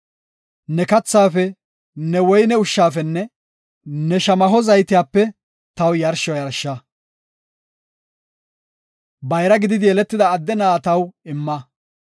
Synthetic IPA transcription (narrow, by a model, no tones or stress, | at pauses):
nɛkɐt͡sːaːfɛ | nɛwɔjnɛʊʃːaːfɛnːɛ | nɛʃɐmɐɦɔzɐjt̪ɪjaːpːɛ | t̪ɐwjɐɾʃɔjɐɾʃːɐ | bɐjɾɐɡɪd̪ɪd̪ɪjɛlɛt̪ːɪd̪ɐːd̪ːɛnaːt̪ɐwɪmːɐ